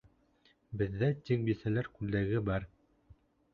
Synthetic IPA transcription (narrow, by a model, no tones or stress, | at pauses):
bɘ̆ðːæt̪ʲik̚bisælæɾkʉld̪æɡɘbɑɾ